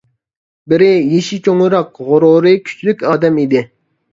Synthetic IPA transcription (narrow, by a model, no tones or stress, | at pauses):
bɪɾɪjeʃit͡ʃʰoŋɨɾɑqʁʊɾoɾɨkʲʰy̥t͡ʃʰlykʲɑːd̪ɛmid̪ɪ